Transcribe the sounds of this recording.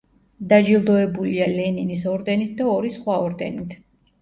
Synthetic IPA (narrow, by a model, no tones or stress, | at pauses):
d̪ad͡ʒilˠd̪ɔɛbulialɛninisɔɾd̪ɛnit̪̚ʰd̪aɔɾisχwaɔɾd̪ɛ̰nit̪ʰ